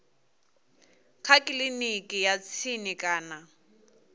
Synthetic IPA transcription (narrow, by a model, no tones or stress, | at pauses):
q͡χʰakʼɪlinikʼɪjat͡sʰinɪkʼaːna